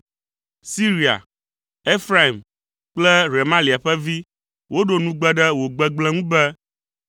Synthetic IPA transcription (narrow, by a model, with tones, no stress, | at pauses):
si˦ɾi˨a̰˨ | e˦fɾa˦i˨m | k͡plɛ˦ɾe˨mã˦li˨a˨ɸɛ˦vi˦ | wʔo˦ɖo˨nũ˦ɡ͡bɛ˦ɖɛ˦wo˨ɡ͡bɛ˦ɡ͡blɛ˦ŋũ˦bɛ˦